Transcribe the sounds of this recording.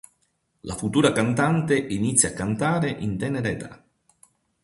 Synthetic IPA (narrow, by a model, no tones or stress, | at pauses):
lafut̪uːɾakant̪ant̪eʔinit̪sːjakːant̪aːɾeʔint̪ɛneɾɛt̪a̰